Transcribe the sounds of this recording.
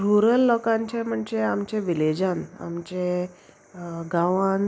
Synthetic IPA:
ɾuɾəlːɔkãɲt͡ɕẽm̤əɳd͡ʑeamt͡ɕeʋiled͡ʑana̰mt͡ɕe | ɡãʋan

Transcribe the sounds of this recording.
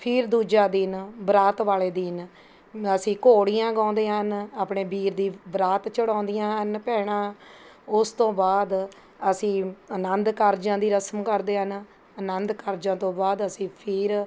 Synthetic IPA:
pʰɪɾd̪uːd͡ʒaːd̪ɪnbɾaːt̪ʋaːleːd̪ɪn | əsĩːkoːɽijãːɡãːʊ̃nd̪eːɦənaːpɳeːbiːɾd̪iːbɾaːt̪t͡ʃəɽãːnd̪ɪjãːɦənpɛːɽ̃ãː | ʊst̪õːbaːd̪ | əsĩːənənd̪kəɾd͡ʒãːd̪iːɾəsəmkəɾd̪eːɦən | ənənd̪kəɾd͡ʒãːt̪õːbaːd̪əsĩːpʰɪɾ

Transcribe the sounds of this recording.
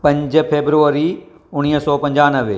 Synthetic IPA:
pɐ̃ɲd͡ʒpʰeːbɾuːɾi | ʊñiːɦsɔːpɐ̃ɲd͡ʒaːnəʋe

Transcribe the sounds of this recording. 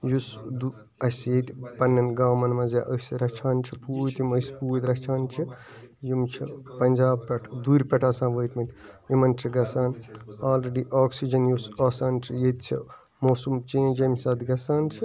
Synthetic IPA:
jusd̪u | ɐsjet̪pɐnːɐnɡaːmɐnmɐzaʔəsiɾɐt͡ʃʰaːnt͡ʃʰipuːt̪iməspuːt̪ɾɐt͡ʃʰaːnt͡ʃʰi | jimt͡ʃʰipɐnʲd͡ʒaːb̚pʲɐʈʰd̪uːɾʲpʲɐʈʰɐːsãːnʋəːt̪mɐt̪ʲjimɐnt͡ʃʰiɡɐsaːnaːlɾeɖiʔoːksid͡ʒɐnjusɐsaːnt͡ʃʰijet̪t͡ʃʰḭ | moːsumt͡ʃẽːnd͡ʒɐmsaːd̪ɡɐsaːnt͡ʃʰi

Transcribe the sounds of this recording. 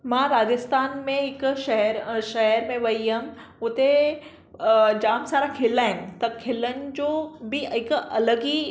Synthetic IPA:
mãːɾaːd͡ʑəst̪aːnmẽɦɪkʃɐɦɛɾʃɐɦəɾmẽʋɐiɦɐm | ʊt̪e | d͡ʑaːmsaːɾakʰɪlaːɦɪ̃nt̪ɐkʰɪːlənɪ̆d͡ʑoːbiɦɪkɐləɡi

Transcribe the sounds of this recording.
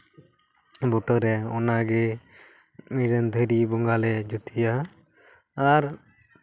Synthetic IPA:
bɔʈəɾɛɔnaɡɛ | miɖənd̪ʱəɾibɔŋɡalɛd͡ʒut̪ijaː | ɾ

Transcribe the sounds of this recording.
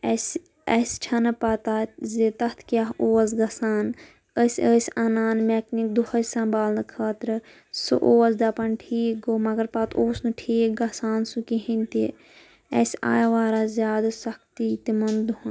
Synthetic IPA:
ɐs | est͡ʃʰɐnɨpɐt̪aːzet̪ɐt̪ʰkʲjaːɦoːɐs̬ɡɐsaːn | əsʲəsʲanaːnmeːknik̚d̪uhɐsɐ̃mbaːlnkʰaːt̪ɾɨ | sɨ̰ʔoːɐsd̪ɐpɐnʈʰiːɡomɐɡɐɾpɐt̪ʰoːsnɨʈʰiːk̚ɡɐsaːnsukiɦint̪i | ɐsa̰ːjʋaːɾaːzʲjaːd̪sɐk̚ʰt̪it̪imɐnd̪uɦɐn

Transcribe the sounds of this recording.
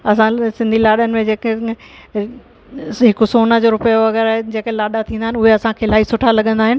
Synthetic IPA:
ɐsãsɪ̃nd̪ʱilaːɗənɪ̆mẽd͡ʑeːk | ɦɪkʊsoːnəd͡ʑoɾʊpəjoʋɐɣɛːɾaɦd͡ʑeːkelaːɗat̪ʰĩːnd̪aɦɪnʊɦeɐsãkʰeːlaːisʊʈʰalɐɠə̃nd̪aːɦɪnɪ

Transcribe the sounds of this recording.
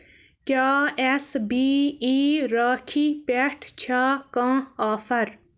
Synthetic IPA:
kjaːesbiːiːɾaːkʰiːpeʈʰt͡ɕʰaːkãːaːfɐɾ

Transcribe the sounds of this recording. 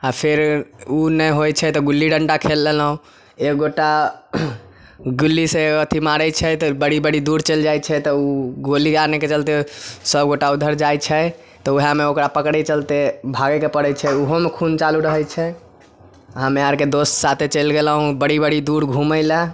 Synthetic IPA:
apʰeɾunɛjɦojt͡ʃʰɛt̪ɔɡulːiɖəɳɖakʰelːelɦũ | ekɡoʈːa | ɡulːiseət̪ʰimaɾət͡ʃʰɛt̪ɔbəɽibəɽid̪uɽt͡ʃəld͡ʒajt͡ʃʰɛt̪ɔuɡolikaɾneket͡ʃəlt̪esəbɡoʈaud̪ʱəɾd͡ʒajt͡ʃʰɛ | t̪ɔuɦameokɾapəkɽɛt͡ʃəlt̪ebʱaɡɛkepəɽɛt͡ʃʰɛuɦomekʰunt͡ʃaluɾəɦɛjt͡ʃʰɛ | ɦəmeaɾked̪ossat̪ʰet͡ʃəlɡelɦũbəɽibəɽid̪uɽɡʱũməla

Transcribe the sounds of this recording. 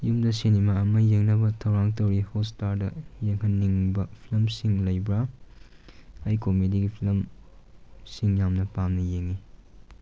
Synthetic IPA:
jumdɐsinimaɐmɐjeŋnɐbɐtʰɐwɾaŋtɐwɾihostaɾdɐjeŋɦɐnnːiŋbɐpʰilɐmsiŋlɐjbɾa | jkomediɡipʰilɐm | siŋjamnɐpamnɐjeŋi

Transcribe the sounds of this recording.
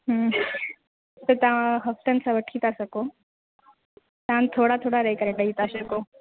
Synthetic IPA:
ɦ | t̪ɐt̪ɐʋãɦɐft̪ənɪ̆sãʋɐʈʰit̪ʰasɐkoː | t̪ɐãnt̪ʰoːɽat̪ʰoːɽaɾɐɦekɐɾẽʈɐɦit̪ʰasɐkoː

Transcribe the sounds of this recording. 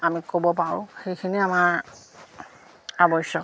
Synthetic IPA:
amikobɔpaʊ̰̃xejkʰiniamaɹ | abɔsɔk

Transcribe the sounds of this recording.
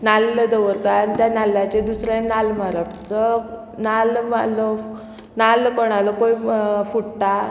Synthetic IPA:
nalːəd̪əʋəɾt̪aanit̪janalːat͡ɕed̪usɾanalmaɾapt͡sɔ | nalmalɔ | nalkɔɽ̃alɔkõjfuʈt̪a

